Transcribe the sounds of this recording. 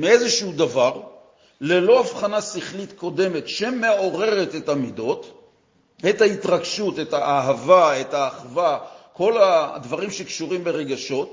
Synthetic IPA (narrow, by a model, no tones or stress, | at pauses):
meezeʃuhudavaʁ | le̞lo̞afχanasiχlitko̞de̞me̞tʃeme̞o̞ʁe̞ʁetetamido̞t | etaitʁaɡʃutetaʔaɦavaetaːχvako̞lad̪vaʁimʃekʃuʁimbeʁe̞ɡaʃo̞t